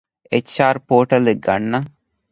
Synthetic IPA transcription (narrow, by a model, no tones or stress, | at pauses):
et͡ʃt͡ʃːaːɾpoːʈɐleɡːɐ̰nːɐ